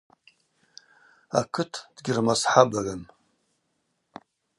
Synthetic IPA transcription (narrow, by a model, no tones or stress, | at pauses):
a̰kʰɨtʰd̥ɡʲɪrmasħabalan